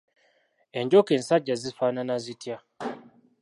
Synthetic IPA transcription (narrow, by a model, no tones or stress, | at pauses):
e̞ɲɟoke̞ːnsaɟːazifaːnanazitʰja